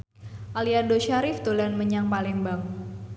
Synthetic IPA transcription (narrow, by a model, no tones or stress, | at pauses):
ʔaliardoʃaɾɪft̪olanməɲaŋpalɛŋbaŋ